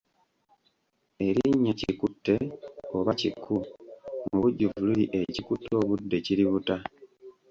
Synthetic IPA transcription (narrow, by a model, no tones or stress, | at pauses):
e̞ɾiɲːecikutːe̞oβacikʰːumuβuɟːuvululiʔe̞cikutːo̞ːβudːe̞ciɾiβuta